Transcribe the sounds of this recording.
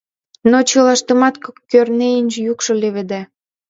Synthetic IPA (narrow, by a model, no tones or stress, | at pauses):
not͡ɕɤlɑʃt̪əmɑt̪kokːørneinʲʒjukʃɤ̆leβed̪æ